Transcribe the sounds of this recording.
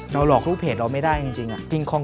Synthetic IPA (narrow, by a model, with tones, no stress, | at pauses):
ɾa˧wlɔː˨˩k̚ɾuː˥˩pʰeː˨˩t̪̚ɾa˧wma˥˩jdaː˥˩jt͡ɕi˧ŋt͡ɕi˧ŋʔa˨˩ki˧ŋkʰɔː˧ŋ